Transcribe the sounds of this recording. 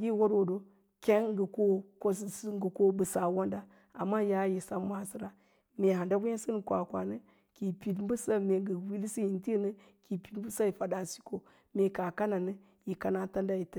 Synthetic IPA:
ɡʲi˦˨wo˦dwo˨do˨ | kʲe˦n˦ɡə˨ko˦ko˦ssɡu˨ko˦bɨ˨sa˨wo˦nda˦ | a̰˨mːa˦ja˦ji˨sa˦ma˦si˨ɾa˦ | me˨ɦa˨nda˦ɡu˦e˦sɨ˦n˨kʷa̰˨kʷa̰˨nɨ˦ | ki˨pi˨dbu˦sa˦me˨ɡə˨wi˦lsi˦ji˨nti˦˨˦nɨ˦ | ki˨pi˨tm˦bu˦sa˦ji˨fa˨da˨si̥˦ko˨ | me˨ka˨ka˦na˨nɨ˦ | ji˨ka˨na˦ta˦nda˦ji˨t

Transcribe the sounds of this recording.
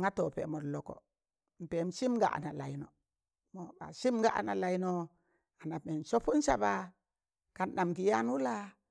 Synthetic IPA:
ŋa˦to˨pḛ˨mo˨lo˨ko̰˨ | m̩˨pe˨˦m̩˦si˦mɡa̰˨a̰˨na˨la˨i˨no˨ | mo˨ba̰˨si˦mɡa˦ʔa̰˨na̰˨la˨i˦no˨ | a˨na˨me˨n˨so˦fu˦n˦sa̰˦ba˨ | ka˨nna˨mki˨ja˦n˦u˦la˦

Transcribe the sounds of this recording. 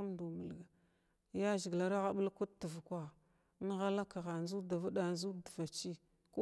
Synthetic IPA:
mdu˨mə˨lɡa˨ | ja˦ʒi˨ɡla˨ɾa˦ɣa˦ɓə˦lku˦tə˨vkʷa˨˦ | n˦ɣa˦la˦ka˨ɣa˨n˦zu˦da˨va˦ɗa˨nzu˦də˨va˨t͡ʃi˦ | ku˦

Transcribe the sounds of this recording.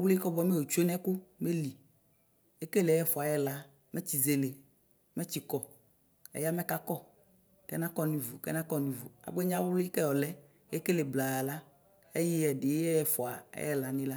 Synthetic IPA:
wlʊ˦i˦kɔ˦bɔ˦me˦˨wo˨t͡ʃu˦e˦nɛ˦kʊ˦me˦li˨ | e˦ke˦le˨˦jɛ˦fɔ˨a˨jɛ˦la˨ | mɛ˦t͡ɕi˨ze˨le˨ | mɛ˦t͡ɕi˨kɔ˨ | ḛ˦ja˦mɛ˦ka˦kɔ˦ | kɛ˦nã˦kɔ˦nĩ˨vu˨kɛ̰˦nã˦kɔ˦nĩ˨vu˨a̰˨ɡ͡be˦ɲ˦ã˦wlo˦i˦kɛ˦jɔ˨lɛ˦ | e˦ke˦le˨bla˨la˦ | e˦ji˦ɛ˨dɪ˨jɛ˦jɛ˦fɔ˨a˨ɛ̰˦ɛ˦la˨nĩ˦la˦

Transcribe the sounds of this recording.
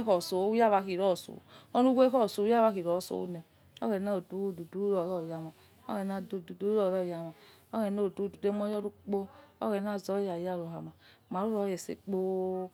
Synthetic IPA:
kɔ˨so˨˦u˦ja˦˨βa˧˦ki˨ɾɔ˦˨so̰˨ɔ˦nu˦ɡe˦kɔ˦˨so˨u˦ja˦˨βa˧˦ki˨ɾɔ˨˦˨so̰˦nɛ˨ | ɔ̰˦ɣɛ˨na˦o˨du˨˦˨du˨du˨˦ɾɔ˨ɾɔ˦˨ja˨ma˨ | ɔ̰˦ɣɛ˨na˦do˨du˨du˦ɔ˦˨ɾɔ˦˨ja˨ma˨ | o˦ɣɛ˨no˦˨du˨˦du˨de˦m˦ɔ˦jɔ˦ɾu˦k͡po˦ɔ̰˦ɣɛ˨˦na˦˨zɔ˨˦ja˨ja˦˨ɾo˨ɦa˨ma˨ | ma˨ɾu˦ɾɔ˨˦jɛ˨sḛ˨k͡po˦

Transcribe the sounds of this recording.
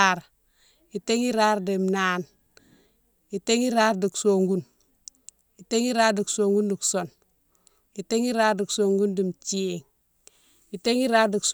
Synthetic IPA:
a˦ɾ | i˨te˦ŋi˦ɾa˦ɾdi˨mna˦n | i˨te˦ŋi˦ɾa˦ɾdi˨kso˨ŋɡu˦n | i˨te˦ŋi˦ɾa˦ɾdi˨kso˨ŋɡu˦ndi˨kso˨n | i˨te˦ŋi˦ɾa˦ɾdi˨kso˨ŋɡu˦ndi˨mt͡ʃi˦e˨ŋ | i˨te˦ŋi˦ɾa˦ɾdi˨ks

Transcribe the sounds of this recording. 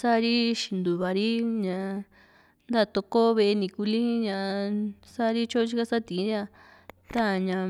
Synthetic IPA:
sa˦˧ɾi˦ʃi˧˨nd̪u˨βa˨ɾi˦ɲã˧ | nd̪a˦˨˧t̪o˧ko˦βe˧ʔe˧nĩ˧ku˧li˦ɲã˧˨˧sa˦˧ɾi˦t͡ʃo˦t͡ʃi˦ka˦sa˦˨t̪ĩ˨˧ɾi˦a˧ | t̪a˦˨ɲã˧

